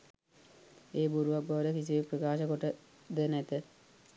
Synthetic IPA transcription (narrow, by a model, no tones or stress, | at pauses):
eːbuɾuʋakboʋəɾəkisiʋeprəkaːʃəkoʈə | d̪ənæt̪ə